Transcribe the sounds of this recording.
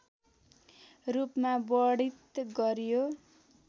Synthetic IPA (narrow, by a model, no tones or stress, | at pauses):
rupmabʌɽit̪ɡʌɾjo